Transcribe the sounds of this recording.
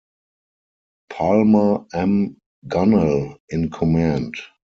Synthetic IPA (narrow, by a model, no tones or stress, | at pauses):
pʰalməɛ̃m | ɡanəlɪ̃nkʰɔmæ̃nt